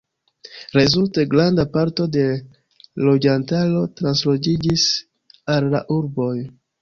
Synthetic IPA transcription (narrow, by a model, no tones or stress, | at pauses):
ɾezulte̞ɡɾandapaɾto̞de̞ | lo̞d͡ʒantalo̞tɾanslo̞d͡ʒid͡ʒis | alːa̰ʔuɾbo̞j